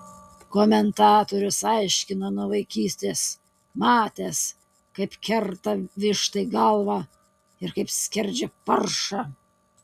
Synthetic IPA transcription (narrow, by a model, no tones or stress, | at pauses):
koːmʲɛnt̪ɑːt̪oːɾʲʊsɐɪʃʲkʲɪnonuɔʋɐɪkʲiːsʲt̪ʲeːs | mɑːt̪ʲeːs | kɐɪpkʲɛɾt̪ɐʋʲɪʃt̪ɐɪɡɐlˠʋɑː | ɪɾkɐɪpsʲkʲɛɾʲd͡ʒʲɛpɐɾʃɑː